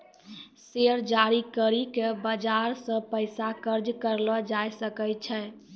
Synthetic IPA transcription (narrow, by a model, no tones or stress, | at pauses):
seɾd͡ʒaɾikəɾikebəd͡ʒaɾsə̃pəɪsakəɾd͡ʒkəɾlɔd͡ʒajsəkət͡ʃʰɛ